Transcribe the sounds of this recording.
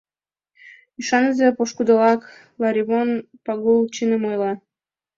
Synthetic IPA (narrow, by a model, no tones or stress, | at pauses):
iʃɑnəzepoʃkud̪olɑk | lɑɾʲiβonpɑɣult͡ɕinə̆mojlɑ